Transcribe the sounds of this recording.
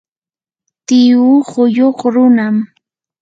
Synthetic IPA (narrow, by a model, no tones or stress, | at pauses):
t̪ɪuhʊjoχɾʊnam